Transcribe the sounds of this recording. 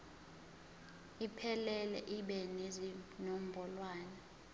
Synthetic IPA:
ipʰɛlɛlɛ̰ʔiɓɛnezinom̩bʱɔlwaːna

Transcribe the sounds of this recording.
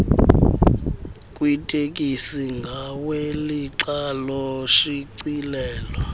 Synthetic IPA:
kʼwitʼek̬ʼisiŋɡʱaweliǃalɔʃiǀilɛːlwa

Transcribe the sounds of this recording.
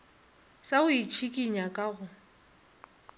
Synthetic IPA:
saʊit͡ʃʰikʼiɲakʼaɣʊ

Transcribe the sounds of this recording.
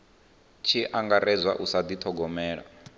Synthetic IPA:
t͡ʃʰiʔaŋɡaɾɛzʷa̰ʔusad̪it̪ʰɔɡɔmɛːɺa̰

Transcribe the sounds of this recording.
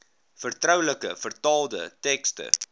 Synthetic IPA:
fərtrœwləkəfərtɑːlˠdə̰tɛkstə̰

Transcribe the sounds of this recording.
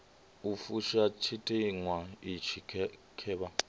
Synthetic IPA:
ufuʃat͡ʃʰitʼiŋwait͡ʃʰikʰ | kʰɛːba

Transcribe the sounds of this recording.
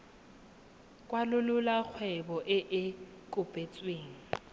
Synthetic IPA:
kʼwalʊlʊlak͡xʰwɛbɔʔɪʔɪ | kʼʊpʼet͡sʼweːŋ̩

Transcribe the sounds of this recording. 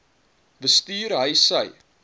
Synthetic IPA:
bəstiːrɦəjsəj

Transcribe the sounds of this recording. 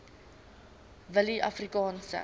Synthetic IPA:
vəliʔafrikɑ̃ːnsə̰

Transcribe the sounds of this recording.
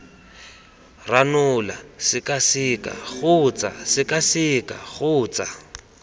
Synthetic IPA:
ranʊla̰sɪkasikʼa̰ɣʊt͡sa̰sɪkasika̰ɣʊːt͡sa

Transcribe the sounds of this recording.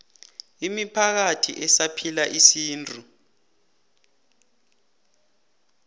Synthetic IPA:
imipʰak̬atʰiʔɛsapʰilaʔisiːntʼu

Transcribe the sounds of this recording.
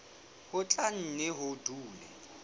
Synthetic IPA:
hʊt͡ɬʼan̩nɪɦʊduːlɛ̰

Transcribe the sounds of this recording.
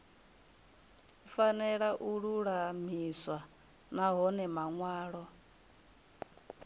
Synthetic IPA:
fanɛɺaʔuɺuɺam̤iswa | naɦɔnɛmaŋwaːɺɔ

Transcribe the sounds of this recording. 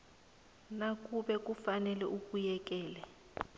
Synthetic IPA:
nak̬ʼuɓɛk̬ʼufanɛlɛʔuk̬ʼujɛk̬ʼɛːlɛ

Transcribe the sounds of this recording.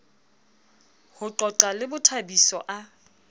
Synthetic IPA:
hʊǃɔǃalɪbʊtʰabisɔ̰ʔa

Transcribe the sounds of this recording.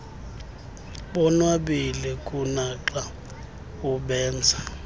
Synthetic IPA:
ɓɔnwaɓilɛkʼunaǃa | uɓɛːnd͡zʱa

